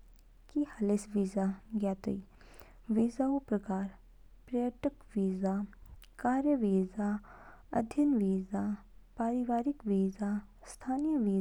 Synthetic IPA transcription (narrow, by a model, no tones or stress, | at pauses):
kihɐlesʋiːzaɡjaːt̪ɐ̰i | ʋiːzaupɾɐkaːɾ | pɾɐjəʈəkʋiːzakaːɾjəʋiːza | ɐ̰d̪ʱjənʋiːza | paːɾɪʋaːɾɪkʋiːza | st̪ʰaːnijəʋiː